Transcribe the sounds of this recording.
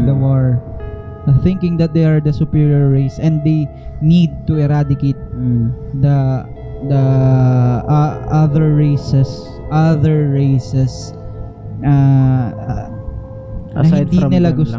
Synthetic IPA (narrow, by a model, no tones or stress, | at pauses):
d̪ɐwaɹ | θɪ̃ŋkɪŋd̪ɐt̪̚d̪ɛɐɹd̪ɐsʊpiɹiɔɹːejsɛ̃nd̪d̪ejnid̪̚t̪ʊɛɾad̪ɪkejt̪̚ | d̪ɐ | d̪ɐ | ʔaʔɐðɛɹɹejsɛs | ʔaðɛɹɹejsɛs | a | ɐhɪd̪inɪlaɡʊs